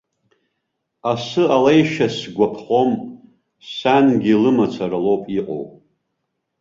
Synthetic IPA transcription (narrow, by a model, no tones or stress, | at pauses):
asɨalejʃasɡʷapʰχo̞m | sanɡʲilɨmat͡sʷʰaɾalo̞wpʼiqʼo̰wpʼ